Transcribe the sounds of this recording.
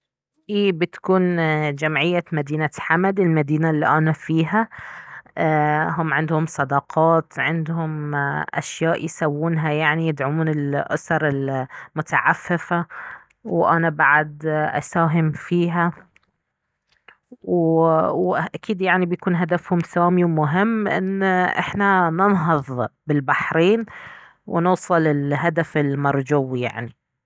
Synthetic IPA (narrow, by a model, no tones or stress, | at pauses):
ʔiːbɪt̪kuːnd͡ʒamʕɪjːamad̪iːnaħamad̪ɪlmad̪iːnalːiʔanafiːɦa | ɦʊmːʕɪnd̪hʊmsˤɑd̪ɑqʰɑːt̪ʕɪnd̪hʊmʔa̰ʃjaːʔjsawːuːnɦajaʕnijɪd̪ʕʊmuːnɪlʔʊ̰sɑɾˤɪlmʊt̪aʕafːɪfa | wʔanabaʕad̪ʔa̰saːɦɪmfiːɦa | wwʔakiːd̪jaʕnibjakuːnɦad̪afhʊmsaːmiwmʊɦɪmːʔɪ̰nːʔɪ̰ħnanɪnɦɨðˤbɪlbaħɾiːn | wnʊːsˤɨlɪlɦad̪afɪlmɑɾˤd͡ʒʊwːija̰ʕni